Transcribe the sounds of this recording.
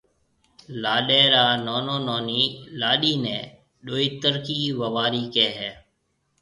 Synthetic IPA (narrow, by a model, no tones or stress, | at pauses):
laːɗeːɾaːnoːnõːnoːniːlaːɗiːnẽː | ɗoːiːt̪əɾkiːʋəʋaːɾiːkɛːɦɛː